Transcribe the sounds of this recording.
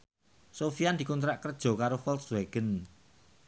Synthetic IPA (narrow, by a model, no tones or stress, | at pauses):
sofiand̪ikunt̪ɾaʔkərd̥ʒ̥ɔ̤kaɾofɔlt̪sweɡ̥ən